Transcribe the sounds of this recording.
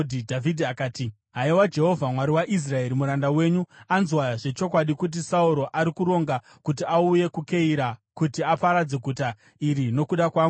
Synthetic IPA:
dʱidʱavidʱiakaːti | ɦaiwad͡ʒe̞ɦo̞vʱamwaɾiwaʔis̬rae̞ɾimuɾandawe̞ːɲuanzwaʐe̞t͡ʃo̞kwaɗikut̬isauɾo̞ʔaɾikuɾo̞ŋɡa | kutiauje̞kuke̞iɾakutiapaɾad͡ze̞ɡʱuta | iɾino̞kuɗakwaːŋɡu

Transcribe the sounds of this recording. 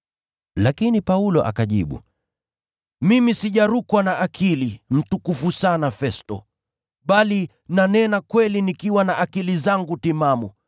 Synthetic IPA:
lakinipaulɔʔa̰kaʄḭɓṵ | mimisiʄaɾukwanaʔakʰilim̩tukufusanafɛstɔ̰ | ɓali | nanɛnakwɛlinikiwanaʔakilizaŋɡutimamu

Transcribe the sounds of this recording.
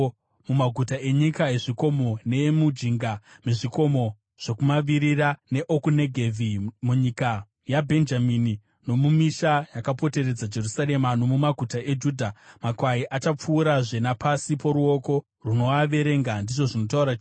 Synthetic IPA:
mumaɡʱutaʔe̞ɲikae̞ʐiko̞mo̞ne̞mud͡ʒiŋɡameʐiko̞mo̞ | ʐ̥o̞kumaʋiɾirane̞ʔokune̞ɡʱevʱimuɲika | jabʱe̞nd͡ʒamini | no̞mumiʃajakapo̞te̞ɾe̞d͡zad͡ʒe̞rusaɾe̞mano̞mumaɡʱutaʔe̞d͡ʒuːdʱamakwaiʔat͡ʃap͡fuːɾaʐe̞napʰasipo̞ɾuo̞ko̞ | runo̞aʋe̞ɾe̞ŋɡandiʐo̞ʐino̞tauɾai

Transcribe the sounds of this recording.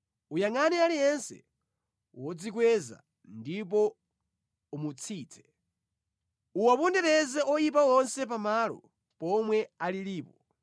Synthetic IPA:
ujaŋanɛalijɛnsɛ̰ | wɔd͡zikwɛza̰ | ndip̬ɔ | umut͡sʰiːt͡sʰɛ̥ | uwapɔndɛɾɛzɛɔjip̬awɔnsɛp̬amalɔ̰ | pɔmwɛaliliːpɔ

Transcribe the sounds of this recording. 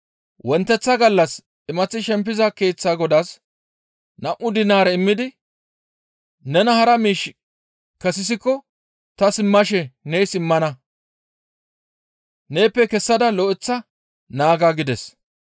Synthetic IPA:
wɔnt̪ːɛt͡sːɐɡɐlːɐs | ɪmɐt͡sːɪʃɛmpːɪzɐke̞ːt͡sːaːɡɔd̪as | nɐʔʊd̪ɪnaːɾɛɪmːɪd̪ɪ | nɛnɐhɐɾɐmiːʃ | kɐsɪs̬ɪkːɔ | t̪ɐsɪmːɐʃɛnɛjsɪmːɐnɐ | ne̞ːpːɛkɛsːɐd̪ɐlɔʔɪt͡sːɐ | naːɡaɡɪd̪ɛs

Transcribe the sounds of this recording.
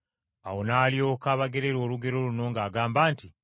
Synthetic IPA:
awo̞naːljo̞ːkaːβaɡe̞ɾe̞ɾo̞ːluɡe̞ɾo̞luno̞ːŋɡaːɡaːmbaːnti

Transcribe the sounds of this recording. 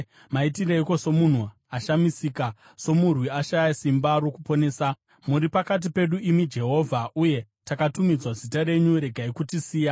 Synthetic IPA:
maitireiko̞so̞mun̤u | aʃamisiːka | so̞murwiaʃajasimbaɾo̞kupo̞ne̞ːsa | muɾipakat̬ipe̞ɗuʔimid͡ʒe̞ɦo̞ːvʱaʔuje̞ | takatumid͡zwazitaɾe̞ɲuɾe̞ɡʱaikutisiːja

